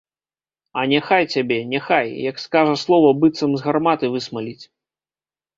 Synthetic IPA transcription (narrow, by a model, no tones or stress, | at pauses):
ɐnʲɛxajt͡sʲabʲɛnʲɛxajjɐkskaʐɐslˠɔvɐbɨt̪sɐmzɣarmat̪ɨvɨsmalʲit͡sʲ